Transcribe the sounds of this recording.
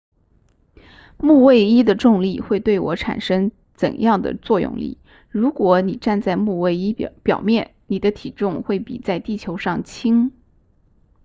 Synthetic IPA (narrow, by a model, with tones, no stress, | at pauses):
mu˥˧we˥˩ɪi˥d̪ə˨ʈ͡ʂʊ˥˧ŋli˥˩xwe˥˧ɪt̪we˥˩ɪwɔ˧˥ʈ͡ʂʰa̰˨˩nʂɤ˥ŋ | t͡sə̰˨˩njɑ˥˩ŋd̪ə̰˩t͡swɔ˥˧jʊ̰˥˧ŋlḭ˥˩ | ɻu˧˥kwɔ˧˥ni˨˩ʈ͡ʂa˥˧nt͡sa˥˧ɪmu˥˧we˥˩ɪi˥pjɑ̰˨˩ʊmjɛ˥˩nni˨˩d̪ə˦t̪ʰi˨˩ʈ͡ʂʊ˥˧ŋxwe˥˩ɪpḭ˨˩t͡sa˥˧ɪt̪i˥˩t͡ɕʰjo˧˥ʊʂɑ˥˩ŋt͡ɕʰi˥ŋ